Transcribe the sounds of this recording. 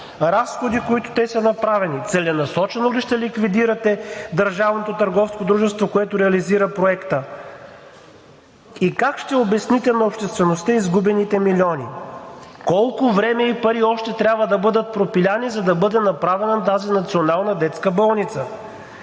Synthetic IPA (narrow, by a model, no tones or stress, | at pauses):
ɾasxod̪ikoit̪o̥t̪ɛsɐnɐpɾavɛnit̪sɛlɛnɐsɔt͡ʃɛnoliʃt̪ɛlikvid̪iɾɐt̪ɛd̪əɾʒavnot̪ot̪əɾɡɔfskod̪ɾuʒɛst̪vokoɛt̪ʊɾɛɐliziɾəpɾoɛkt̪ə | ikakʃt̪ɛobɛsnit̪ɛnɐopʃt̪ɛst̪vɛnost̪əizɡubɛnit̪ɛmilʲiɔnḭ | kɔlˠkʊvɾɛmɛipɐɾiɔʃt̪ɛt̪ɾʲabvəd̪ɐbɤd̪ət̪̚pɾopilʲanizɐd̪ɐbɤd̪ɛnɐpɾavɛnənt̪azinɐt̪sionalˠnɐd̪ɛt̪skəbɔlˠnit̪sə